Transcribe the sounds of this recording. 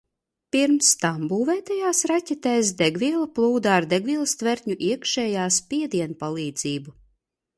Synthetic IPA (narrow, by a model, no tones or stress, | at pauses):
piɾmst̪ambuːvɛːt̪ajaːsɾacʲɛt̪ɛjs̬d̪ɛɡviɛlˠaplˠuːd̪aːɾd̪eɡvʲilˠst̪vɛɾt̪ɲuʔiɛkʃɛːjaːspʲiɛd̪iɛnpalˠiːd̪ziːbu